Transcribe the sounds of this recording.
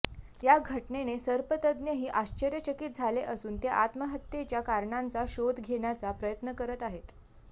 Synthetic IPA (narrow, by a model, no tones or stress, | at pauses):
jaɡʱəʈɳenesəɾpət̪əd̪njəɦiːʔaɕt͡ɕəɾjət͡ɕəkit̪̚d͡zʱaleʔəsuːnt̪eʔat̪məɦət̪jet͡ɕjakaɾɳant͡saɕod̪ɡʱeɳjat͡sapɾəjət̪nəkəɾət̪aɦet̪